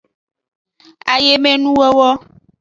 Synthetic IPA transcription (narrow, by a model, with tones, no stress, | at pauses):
a˨je˦me˦nũ˦wɛ˦wɔ˦